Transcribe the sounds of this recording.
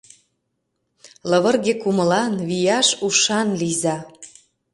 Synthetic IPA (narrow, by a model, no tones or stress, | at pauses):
ləβə̆rɣekumə̆lɑnβijɑʃuʃɑnlizɑ